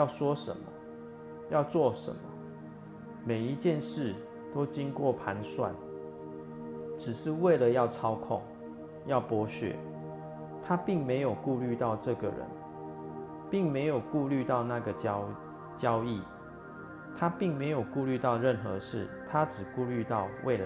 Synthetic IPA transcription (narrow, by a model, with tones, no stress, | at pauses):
jɑ˥˨ʊswɔ˦ʂə̰˧˦nmə̰˨ | jɑ˥˧ʊt͡swɔ˥˩ʂə̰˧˦nə̰˨ | me˨˩ɪi˧˦t͡ɕjɛ˥˨nʂɻ̩˥˩ | t̪o˥ʊt͡ɕi˦ŋkwɔ˥˨pʰa˧˦nswa̰˥˩n | ʈ͡ʂɻ̩˨˩ʂɻ̩˥˧we˥˩ɪlə˨jɑ˥˩ʊʈ͡ʂʰɑ˥ʊkʰʊ̰˥˨ŋ | jɑ˥˩ʊpwɔ˧˥ɕɥɛ̰˨˦ | t̪ʰa˦pi˥˩ŋme˧˦ɪjo˨˩ʊku˥˧ly˥˧t̪ɑ˥˧ʊʈ͡ʂɤ˥˨ɡə˨˩ɻə̰˧˦n | pi˥˩ŋme˧˦ɪjo˨˩ʊku˥˧ly˥˧t̪ɑ˥˧ʊna˥˨ɡə˩ | t͡ɕjɑ˦ʊi˥˩ | t̪ʰa˦pi˥˩ŋme˧˦ɪjo˨˩ʊku˥˧ly˥˧t̪ɑ˥˧ʊɻə˥˨nxɤ̰˧˦ʂɻ̩˥˩t̪ʰa˦ʈ͡ʂɻ̩˨˩ku˥˧ly˥˧t̪ɑ˥˧ʊwʔḛ˥˩ɪla˦